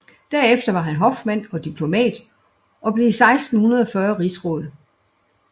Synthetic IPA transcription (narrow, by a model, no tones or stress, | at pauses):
d̥æɐefd̥ɐʋɑ̈ɦænɦɒ̽fd̥mæn̰ɒ̽d̥ipʰlo̝mɛ̰ːd̥ | ʔɒ̽b̥le̝isɑ̈ɪsd̥n̩hunɐð̞ˠɒ̽fɶɐʁisʁɔ̰ːðˠ